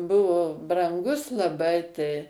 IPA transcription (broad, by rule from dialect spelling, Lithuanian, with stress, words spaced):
ˈbʊʋoː brɐŋˈɡʊs lˠɐˈbɐɪ tɐɪ